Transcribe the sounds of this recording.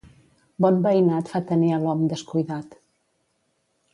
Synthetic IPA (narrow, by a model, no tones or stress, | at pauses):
bɔnbəinat̪fat̪əniəlɔmd̪əskujðat̪